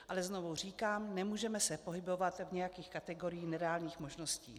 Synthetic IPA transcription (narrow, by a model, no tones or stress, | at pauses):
ʔalɛznovur̝iːkaːmnɛmuːʒɛmɛsɛpo̞ɦɪbo̞vat̪vɲɛjakiːxkat̪ɛɡo̞ɾɪjiːnɛɾɛaːlɲiːxmoʒno̞scḭː